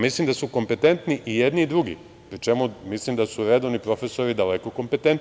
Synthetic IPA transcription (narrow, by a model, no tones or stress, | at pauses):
mislimd̪asuko̞mpe̞t̪e̞nt̪niʔijed̪niːd̪ɾuɡḭ | pɾit͡ʃe̞mumislimd̪asuɾe̞d̪o̞ʋnipɾo̞fe̞so̞ɾid̪alekoko̞mpe̞t̪ent̪